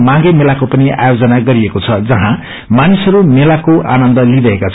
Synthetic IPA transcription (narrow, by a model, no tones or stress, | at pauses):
mãɡemelakopʌnia̰jod͡zʌnaɡʌɾiekot͡sʰʌd͡zʌɦã | manisʌɾumelakoʔa̰nʌnd̪ʌliɾʌɦekat͡sʰ